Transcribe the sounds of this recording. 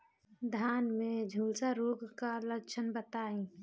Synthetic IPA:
d̪ʱaːnmẽd͡ʒʱuːlsaɾoːɡkaləkt͡ʃʰənbət̪aːĩ

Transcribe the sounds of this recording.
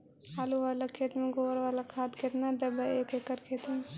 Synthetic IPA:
ɦaːluʋaːlakʰːeːt̪meɡoːɾʋaːlakʰaːt̪kʰet̪nad̪ɐbɐeːkeːkəɾkʰeːt̪me

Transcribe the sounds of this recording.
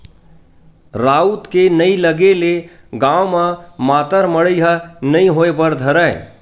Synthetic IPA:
ɾaːut̪kenəiləɡele | ɡãːwmãmaːt̪əɾməɽəiɦənəĩɦoepəɾd̪ʱəɾəɪ

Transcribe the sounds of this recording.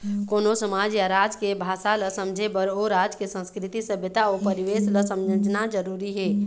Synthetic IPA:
koːnosəmaːd͡ʒjaɾad͡ʒkebʱaːʃaləsəmd͡ʒʱebəɾoɾad͡ʒkesə̃nskɾɪt̪isəbjət̪aopəɾiʋeːsləsə̃md͡ʒnad͡ʒəɾuːɾiɦɛː

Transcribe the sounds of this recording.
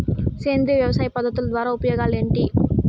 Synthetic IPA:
seːnd̪ɾijɐʋjɐʋɐsaːjpɐd̪ʱːɐt̪ːulɐd̪ʋaːɾaːupɐjoːɡaːleːɳʈi

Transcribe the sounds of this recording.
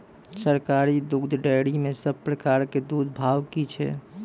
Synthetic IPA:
səɾkaɾid̪ʊɡd̪ʱɖəɪɽimẽsəbpɾəkaɾked̪ud̪ʱbʱaːwkit͡ʃʰɛ̰

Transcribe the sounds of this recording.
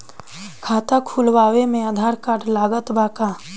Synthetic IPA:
kʰaːt̪akʰulʋaːwemẽad̪ʱaːɾkaːʈlaːɡət̪baːka

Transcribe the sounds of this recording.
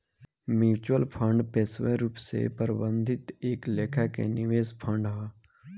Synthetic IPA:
mjiːt͡ʃwəlpʰə̃ɳɖpeːsweɾuːpsḛpəɾbə̃nd̪ʱɪt̪eːkleːkʰakḛnɪʋeːspʰə̃ɳɖɦaː

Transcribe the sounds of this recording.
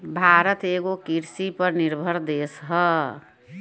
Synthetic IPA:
bʱaɾət̪eɡokiɾsipəɾniɾbʱəɾd̪esɦə

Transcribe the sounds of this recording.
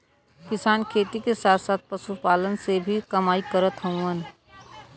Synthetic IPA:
kɪsaːnkʰeːt̪ikesaːt̪ʰsaːt̪̚ʰpəʃupaːlənsebʱikɐmaːikəɾət̪ɦə̃ũən

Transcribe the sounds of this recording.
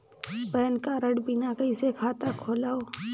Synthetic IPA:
bɛːnkaɾəɽbɪnakɐɪsekʰaːt̪akʰoːlaːoː

